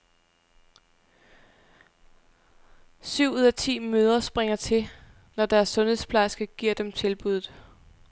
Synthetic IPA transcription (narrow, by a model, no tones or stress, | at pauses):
syʊ̰uðˠæt͡sʰḭːmøːð̞ˠɐsb̥ʁeŋɐt͡sʰe̝ | nɒd̥æɐsːɔ̽nhe̝ðˠspʰlɑ̈ɪsɡ̥ɐɡ̥iɐ̰d̥emt͡sʰe̝lb̥uð̞ˠð̩ˠ